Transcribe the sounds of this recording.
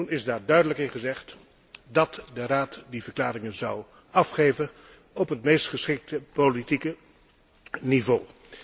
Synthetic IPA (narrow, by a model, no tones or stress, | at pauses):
unɪzdaːɹdœɥdələkɪnχəzɛχt | dɑtdəraːtdivəɹklaːɾɪŋənzɑw | ɑfχejvən | ɔpətmejstχəsχɪk̚təpolitikə | nivoː